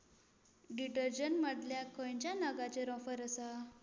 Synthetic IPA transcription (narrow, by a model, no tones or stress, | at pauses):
ɖiʈəɾd͡ʑənməɽljakojɲt͡ɕjanəɡat͡ɕeɾɔ̃fəɾəsa